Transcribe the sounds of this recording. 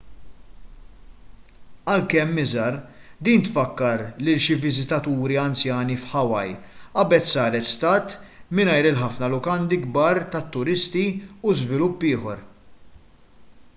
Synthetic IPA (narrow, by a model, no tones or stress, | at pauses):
ɐlkɛmːɪzɐɾd̪iːnt̪fɐkːɐɾlɪlʃivɪzɪt̪ɐt̪uːɾiɐnt͡sjɐːnifħɐwɐjɐbɛt̪sɐːɾɛt̪st̪ɐːt̪mɪnɐjɾɪlħɐfnɐlʊkɐnd̪iɡbɐːɾt̪ɐt̪ːʊɾɪst̪iuzvɪlʊpːɪːħɔɾ